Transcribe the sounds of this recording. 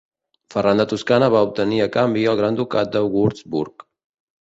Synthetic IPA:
fərand̪ət̪uskanəβaup̚t̪əniəkambiəlˠɣɾand̪ukat̪̚d̪əɣuɾzbuɾk

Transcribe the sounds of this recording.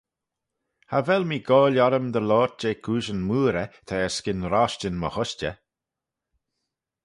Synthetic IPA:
havɛlmiːɡɔːlaɾəmd̪əlɔːt̚d͡ʒeːkʰuːʃənmuːɾət̪ʰɛːəskɪnɾaʃt͡ʃənmə̰hʊʃt͡ʃə̰

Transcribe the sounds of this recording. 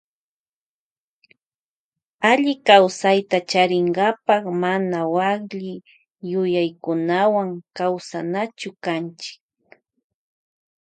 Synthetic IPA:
aʎɪkawsajt̪at͡ʃaɾɪŋɡapɑkmanawakʎɪ | jʊjajkʊnawaŋkawsanat͡ʃʊkant͡ʃɪ̥k̚

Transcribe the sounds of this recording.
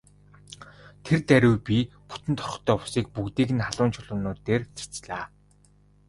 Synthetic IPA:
t̪ʰert̪æɾʲʊwpi | pu̥t̪ɘ̆nt̪ʰɔ̥χɞ̆t̪œːpʊ̥siːk̚pukt̪iːɣɘ̆nχaɮʊːnt͡ɕʰʊɮʊ̆ːnʊːt̪eːrt͡sʰḁt͡sɮaː

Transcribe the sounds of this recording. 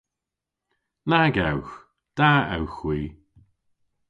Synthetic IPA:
naɡawx | d̪̥aɛ̰wxwiː

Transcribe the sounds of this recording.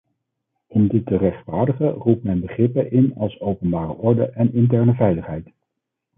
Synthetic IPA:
ɪndɪtːərɛχtfaːɹdəχərup̚mɛnbəχrɪpəʔɪnɑlˠsowpənbaːrə̰ʔɔɹdə̰ʔɛnɪntɛɹnəvɛjləχɦɛjt

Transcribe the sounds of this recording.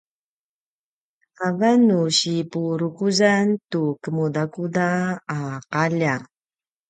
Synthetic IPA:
avanuɕipuɾukuzantukəmudakudaː | qaʎa

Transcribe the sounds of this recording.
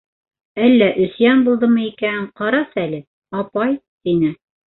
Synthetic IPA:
ælːæʔɵ̆sjænbulˠd̪ɤmɤikæɴqɑɾɑsælɘ | ɑpɑjt̪inɘ

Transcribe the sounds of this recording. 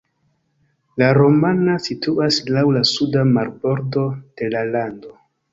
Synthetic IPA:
laɾo̞manasitʰuaslawlasudamaɾbo̞ɾdo̞d̥e̞lalando̞

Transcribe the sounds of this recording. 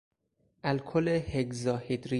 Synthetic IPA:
ʔælkʰoleheɡzɒːhed̪ɾi

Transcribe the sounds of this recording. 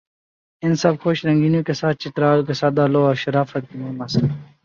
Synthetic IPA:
ɪnsɐb̚xoʃlɐŋɡiniːkesaːt̪̚t͡ʃit̪ɾaːlkesaːd̪aːloːɐʃɐɾaːfɐt̪̚kinemɐs

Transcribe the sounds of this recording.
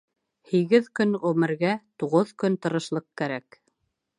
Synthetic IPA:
hiɡɘðkɵnʁɵmɘ̆ɾɡæt̪uʁoðkɵnt̪ɤ̆ɾɤ̆ʃlˠɤq̚kæɾæk

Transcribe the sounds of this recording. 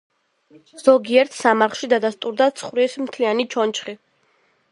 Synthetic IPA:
z̥ɔɡiɛɾt̪ʰsamaɾχʃid̪ad̪ast̪ʼuɾd̪at̪sʰχɾismt̪ʰlianit͡ʃʰɔnt͡ʃχi

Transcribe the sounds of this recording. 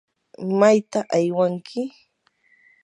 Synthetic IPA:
majt̪aʔajwaŋkʰɪ

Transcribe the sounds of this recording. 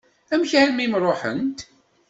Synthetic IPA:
æmçʕanmimɾˤoħə̰nt̪

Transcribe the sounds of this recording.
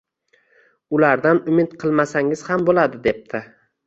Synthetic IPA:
ʊlaɾd̪anʊmɪt̪qʰɨlˠmasaŋɪz̥hambolad̪ɪd̪e̞p̚t̪ʰɪ

